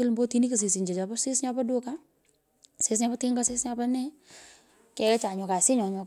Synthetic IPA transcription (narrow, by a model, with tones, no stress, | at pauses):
ə˦lmbo˦ti˦ni˦kə˨s̬i˨s̬i˨ɲd͡ʒe˨t͡ʃa˨pɐ˦sɪ˦sɲa˦pɐ˦du˦ka | sɪs̬ɲa˧pɐ˦tɪ˦ŋɡa˦sɪ˦sɲa˧pa˦nɛ | kɛ˨˦t͡ʃa˨ɲɔ˨ka˨sɪ˦ɲɔ˨ɲɔ˨